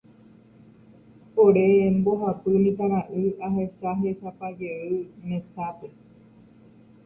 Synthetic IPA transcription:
poɾemboɦapɨmĩt̪ãɾ̃ãʔɨaɦeʃaɦeʃapaɡeɨnẽsape

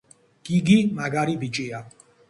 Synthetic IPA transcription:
kiɡimaɡaɾibit͡ʃʼija

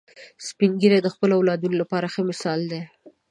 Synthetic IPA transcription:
spiŋɡiɾed̪əxpəlawlɑd̪unolapɑɾaxəmɪsɑld̪e

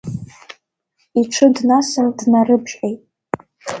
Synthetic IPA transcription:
iʈ͡ʂʰɨdnasɨndnarɨbʒejtʼ

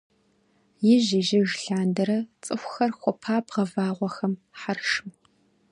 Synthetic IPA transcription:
jɪʑɪʒɪʒɬaːndɐɾɐt͡sʼɨxʷxɐrxʷɔpʰaːbʁɐvaːʁʷɔxɐmħarʂm

